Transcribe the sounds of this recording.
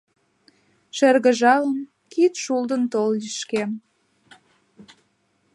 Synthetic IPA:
ʃerɣə̆ʒɑləm | kit̪ʃuld̪ənt̪olliʃkem

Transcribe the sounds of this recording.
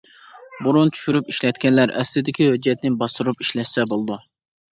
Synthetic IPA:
buɾunt̪ʰy̥ʃyɾypiʃlɛt̪̚kʲɛnlæɾɛ̰slɪd̪ɪkʲihød͡ʒːɛt̪nɪbɑst̪uɾupiʃlɛʃsɛbolˠd̪u

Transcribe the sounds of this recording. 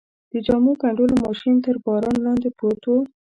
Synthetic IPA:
d̪̥əd͡ʒamukaɳɖolomɑʃint̪əɾbɑɾɑnlɑnd̪epot̪o

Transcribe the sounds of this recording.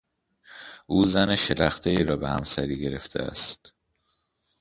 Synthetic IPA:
ʔuːzæneʃelæxt̪ʰeiːɾɒːbe̞hæ̰msæɾiːɡɟe̞ɾe̞ft̪ʰḛæ̰st̪

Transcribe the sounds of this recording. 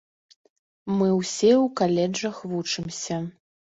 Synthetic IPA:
mɨwsʲɛwkalʲɛd͡ʐɐxvut͡ʂɨmsʲɐ

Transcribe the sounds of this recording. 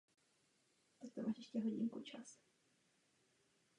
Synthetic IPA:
t̪ak̚t̪omʔaːʃɛʃcɛɦoɟiŋkut͡ʃas

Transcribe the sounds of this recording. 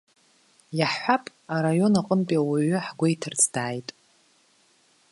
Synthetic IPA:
jaħħʷapʼ | aɾajo̞naqʼəmpʼiawaɥʏħɡʷejtʰɨrt͡sʰdaːjtʼ

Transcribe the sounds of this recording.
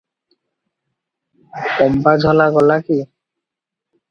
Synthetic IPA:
kɔmpad͡ʑʱɔlaɡɔlaki

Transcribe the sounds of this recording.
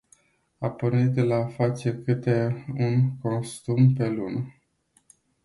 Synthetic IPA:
apornit̪̚d̪elafat͡ʃe̞rkɨt̪e̞unko̞nst̪umpe̞lunə

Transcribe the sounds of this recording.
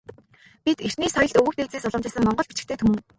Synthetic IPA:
pit̪er̥niːsɔjɞ̆ɮt̪ɵɣɘ̆kt̪et͡seːsɔɮɞ̆mt͡ɕɪːsɘ̆ŋmɔɴɢɞ̆t͡ɕpit͡ɕɪ̆kt̪ʰeːt̪ʰɵmɘ̆

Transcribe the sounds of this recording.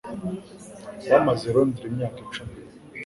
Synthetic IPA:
βamazeɾondiɾemɲaːkit͡ʃumi

